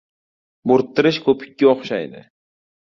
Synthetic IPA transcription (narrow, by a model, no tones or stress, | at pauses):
boɾt̪ːɪɾɪʃkʰɵpʰɪ̥k̚ʲːaoχʃajd̪ɪ̰